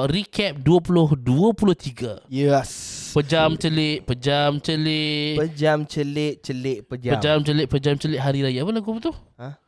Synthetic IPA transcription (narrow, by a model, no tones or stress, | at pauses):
rikʰɛp̚duapulʊhduapulʊht̪iɡajəspəd͡ʒamt͡ʃəlɪt̪̚pəd͡ʒamt͡ʃəlɪpəd͡ʒamt͡ʃəlɪt̪̚t͡ʃəlɪt̪̚pəd͡ʒapəd͡ʒamt͡ʃəlɪt̪̚pəd͡ʒamt͡ʃəlɪt̪̚ɦaɾiɾajapəlaɡupət̪ʊha